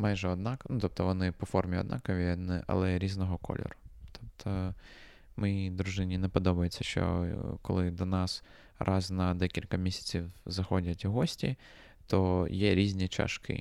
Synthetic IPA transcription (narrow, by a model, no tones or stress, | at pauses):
mɑjʒɛɔd̪nɑknut̪ɔp̚t̪ɔʋɔnɪpɔfɔrmʲiɔ̰d̪nɑ̰kɔʋʲinɛʔɐ̰lˠɛɾʲiznɔɦɔkɔ̰lʲɔ̰ɾʊt̪ʰɔp̚t̪ʰɔ | mjijd̪ɾʊʒɪnʲinɛpɔd̪ɔbɐjet͡sʲːɐʃt͡ʃɔ̰kɔ̰lˠɪd̪ɔnɑs | rʔɑznɐd̪ɛkʲilʲkɐmʲisʲɐ̥t͡sʲiwzɐxɔdʲɐtʲɦɔsʲtʲi | t̪ɔjɛɾʲizʲnʲit͡ʃɐ̰ʃkɪ̰